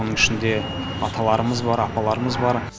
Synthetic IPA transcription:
onəŋɪʃɪnd̪e̞ | ɑt̪ʰɑlˠɑɾəməzbɑɾɑpɑlˠɑɾəməzbɑɾ

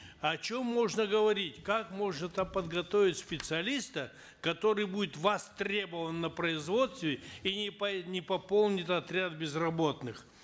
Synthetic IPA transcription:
ɐt͡ɕo̞mːo̞ʐnəɡəvɐɾʲitʲkakmo̞ʐnət̪apəd̪ɡɐt̪ovʲɪtʲspʲɪt̪sɨɐlʲist̪ə | kɐt̪o̞ɾɨjbudʲɪt̪vɐst̪ɾʲe̞bəvənːəpɾəɪzvo̞t̪st̪vʲɪiɪnʲɪpɐpo̞lˠnʲɪt̪ɐt̪ɾʲad̪̚bʲɪzrɐbo̞t̪nɨx

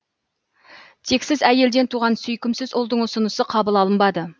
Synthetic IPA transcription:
t̪ʰe̞ksɪzæje̞ld̪e̞nt̪ʰuʁɑnsʏjkʲɪmsɪzʊlˠd̪əɴʊsənəsəqʰɑbəlˠɑlˠəmbɑd̪ə

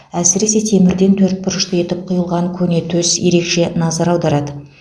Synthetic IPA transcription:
æsɪɾe̞se̞t̪ʰe̞mɪɾd̪e̞nt̪ʰɵɾt̪̚pɪɾɪʃt̪əe̞t̪ɪp̚qʰʊjəlˠʁɑŋkʲʰɵne̞t̪ʰɵsje̞ɾe̞kʃe̞nɑzɑɾɑwd̪ɑɾɑd̪ə

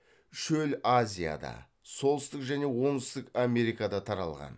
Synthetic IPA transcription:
ʃɵlazʲija̰d̪ɑ̰ | so̞lˠəst̪ɪqʒæne̞wo̞ɴɪst̪ɪkame̞ɾijkad̪ɑt̪ʰɑɾɑ̰lˠʁɑ̰n

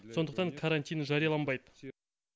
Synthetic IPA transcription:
so̞nd̪əq̚t̪ɑŋkʰaɾanʲt̪ʲijnʒɑɾijɑlˠɑnbɑjd̪ə̥

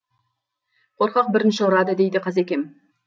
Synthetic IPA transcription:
qʰo̞ɾqɑq̚bɪɾɪnʃɪʊɾɑd̪əd̪e̞jd̪ɪqʰɑzekʲe̞m

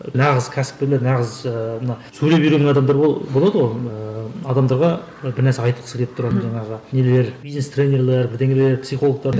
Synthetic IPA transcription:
nɑʁəzkʲʰæsɪp̚k̪ʲeled̪ənɑʁəzəmənɑsɵɾepiɾeɡʲeɑd̪ɑmd̪ɑɾobolˠɑd̪əwojəɑd̪ɑmd̪ɑɾʁɑ | bɪɾnæɾseɑjt̪əlˠəsə̥kʲʰe̞lpt̪ʊɾɑt̪ənʒɑɴɑʁənele̞ɾbijznest̪renʲeɾlˠeɾbɪɾd̪eŋɡeɾeleɾpsijχo̞lˠək̚t̪ɑɾn

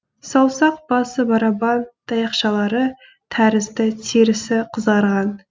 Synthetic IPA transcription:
sɑwˠsɑq̚b̥ɑsəbɑɾɑbɑnt̪ʰɑjɑqʃɑlˠɑɾə | t̪ʰæɾɪzd̪ɪt̪ʰeɾɪsɪqʰəzʁɑɾʁɑn

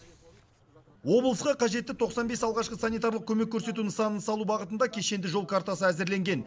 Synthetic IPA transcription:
wo̞blˠəsqɑqʰɑʒe̞t̪ːɪt̪ʰo̞qsɑnbe̞sɑlˠʁɑʃqəsɑnijt̪ɑɾlˠəq̚kʲʰɵme̞kʲːʰɵɾse̞t̪unəsɑnənsɑlˠubɑʁət̪ənd̪ɑkʲʰe̞ʃe̞nd̪ɪʒo̞lˠkʰaɾt̪ɑsəæzɪɾle̞ŋɡʲe̞n

